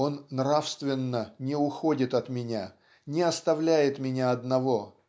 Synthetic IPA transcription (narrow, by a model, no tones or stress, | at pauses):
o̞nːrafst̪vʲɪnːənʲɪʊxo̞dʲɪt̪ɐt̪mʲɪnʲa | nʲɪɐst̪ɐvlʲæjɪt̪mʲɪnʲaɐd̪nɐvo̞